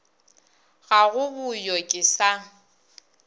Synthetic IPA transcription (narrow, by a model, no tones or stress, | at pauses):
ɣaɣʊbʊjɔkʼɪsa